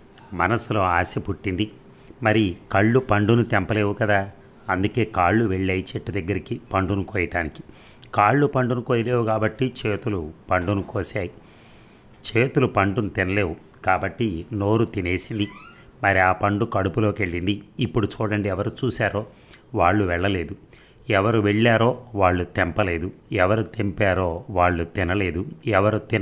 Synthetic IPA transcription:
mɐ̰nɐsulo̞ːaːsepuʈːind̪i | mɐɾikɐɭːupɐɳɖunut̪ɛmpɐle̞ːʋukɐd̪aː | ɐnd̪uke̞ːkaːɭːuʋe̞ɭːɐjit͡ʃeʈːud̪ɐɡːɐɾikipɐɳɖunukoːjɐʈaːniki̥ | kaːɭːupɐɳɖunukoːjɐle̞ːwukaːbɐʈːit͡ʃe̞ːt̪ulupɐɳɖunukoːsaːji | t͡ʃe̞ːt̪ulupɐɳɖunut̪inɐle̞ːʋu | kaːbɐʈːino̞ːɾut̪ine̞ːsind̪i | mɐɾiaːpɐɳɖukɐɽupulo̞ːkeɭːind̪iːpːuɽut͡ʃuːɽɐɳɖiɛʋɐɾut͡ʃuːsaːɾo̞ː | ʋaːɭːuʋɛɭːɐle̞ːd̪u | ɛʋɐɾuʋeɭːaːɾo̞ːʋaːɭːut̪ɛmpɐle̞ːd̪uɛʋɐɾut̪empaːɾo̞ːʋaːɭːut̪inɐle̞ːd̪uɛʋɐɾut̪in

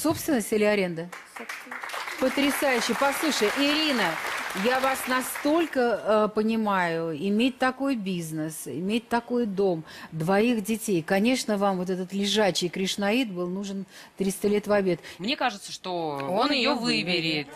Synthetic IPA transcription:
so̞pst̪vʲɪnːəsʲtʲilʲɪɐɾʲe̞nd̪ə | sopst̪pət̪ɾʲɪsajʉɕːɪjpɐslˠuʂəjʔɪɾʲinəjavasnɐst̪o̞lʲkəpənʲɪmajʊɪmʲet̚ʲt̪ɐko̞jbʲiznəsɪ̰mʲet̚ʲt̪ɐko̞jd̪o̞md̪vɐixdʲɪtʲejkɐnʲe̞ʂnəvamvo̞t̪̬ɛt̪ət̪lʲɪʐaɕːɪjkɾʲɪʂnɐit̪̚bɨlˠnuʐɨn | t̪ɾʲist̪əlʲet̪vɐbʲet̪mnʲekaʐɨt̪səʂt̪oonjɪjovɨbʲɪɾʲɪt̪

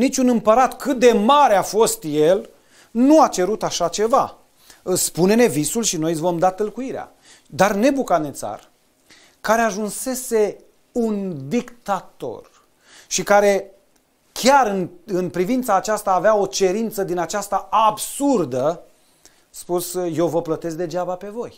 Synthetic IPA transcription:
nit͡ʃunɨmpəɾat̪kɨt̪̚d̪e̞maɾeafo̞st̪je̞l | nuat͡ʃe̞ɾut̪aʃat͡ʃe̞va | spune̞ne̞visulʃino̞jvo̞md̪at̪ɨlkuiɾea̰ | d̪arne̞bukanet̪sa̰r | kaɾe̞aʒunse̞se̞ | und̪ikt̪at̪o̞̰r | ʃikaɾe̞ | kʲaɾɨnɨnpɾivint̪saːt͡ʃast̪aːveao̞t͡ʃe̞ɾint̪səd̪inat͡ʃast̪aabsurd̪ə | spusje̞wvəplət̪e̞sk̚d̪e̞d͡ʒabape̞vo̞j

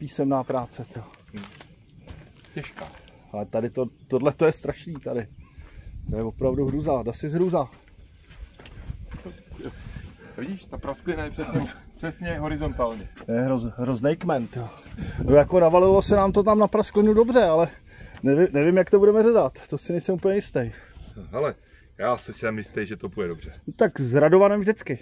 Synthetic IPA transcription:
piːsɛmnaːpɾaːt͡sɛt̪ɛa | cɛʃkaː | alɛt̪adɪt̪ot̪odlɛt̪ojɛst̪ɾaʃniːt̪adɪ | t̪ojɛvo̞pɾavduɦɾuzaːdasɪzɦɾuzaː | t̪o | vɪɟiːʃt̪apɾasklɛnajɛpr̥ɛsɛpr̥ɛsɲɛɦoɾɪzont̪aːlɲɛjɛɦɾozɦɾoznɛjkmɛnt̪joːnojako̞navalɪlo̞sɛnaːmt̪o̞t̪amnapɾasklɪnudo̞br̝ɛalɛ | nɛvɪmnɛvɪmjakt̪obudɛmɛzɛzat̪t̪osɪnɛjsɛmupl̩ɲɛjɪst̪ɛjɦɛlɛ | jaːsɛsɛmjɪst̪ɛjʒɛt̪opujɛdobr̥ɛt̪akzɾado̞vanɛmʒdɪt͡skɪ

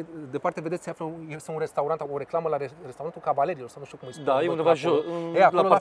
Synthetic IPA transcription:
d̪epart̪e̞ved̪esseafləjesɨnunrest̪awɾant̪aoɾe̞klaməlaeɾest̪awɾanulkavale̞ɾiːlo̞rsawnuʃt̪ukumɨjsd̪ajeund̪evaʒoɨneala

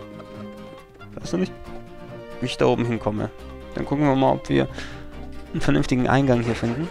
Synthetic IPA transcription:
vaɪstd̥uːnɪçt | viːɪçd̥a̰ːʔoːbm̩hɪnkʰɔmə̰ | d̥ankʰʊkn̩viːɐmaːlʔɔ̰pv̥ḭːɐ | ənfɛɐnʏnftɪɡŋ̩ʔa̰ɪnɡaŋhiːɐfɪndn̩

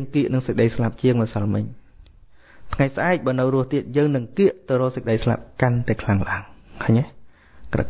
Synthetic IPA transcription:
ŋkiəʔnɨŋsək̚ɗəjslap̚t͡ɕiəŋmasalmɨɲ | t̪ʰŋajsʔaɛk̚ɓaːnɨwrʊ̆əht̪iət̪̚jəːŋnɨŋkiəʔt̪ɨwrɔːsək̚ɗəjsla̰p̚kant̪aɛkʰlaŋlaəŋhʰəːɲɛ | kra̰

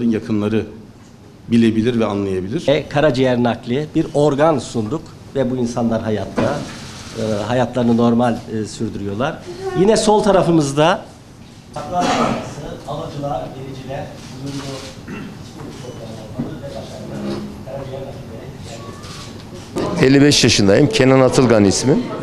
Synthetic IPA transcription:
ɾɯnjakʰɯnlˠaɾɯ | bilʲebilʲiɾvɛanlˠajabilʲiɾ̥ɛkʰaɾad͡ʒijɛɾnaklʲˠɯbiɾo̞ɾɡansund̪uk | vɛbuinsanlˠaɾɦajat̪ʰlˠa | ɦajat̪ʰlˠaɾɯnɯno̞ɾmalʲːsyɾd̪yɾyjo̞lˠaɾ̥jinɛso̞lˠt̪ʰaɾafɯmɯzd̪a | aklˠaɾaasɯalˠad͡ʒɯlˠaɟeɾʲid͡ʒilʲɛɾbuj̪uunbuskulit͡ʃoɾɡanlˠaɾalˠɯɾvɛbaʃaɾlˠakʰaɾad͡ʒijɛɾnaklʲilʲeɾid̪ilʲæɾdʲet̪ʰi | elʲːibɛʃjaʃɯnd̪ajɯmcʰenanat̪ʰɯlˠɡanismin

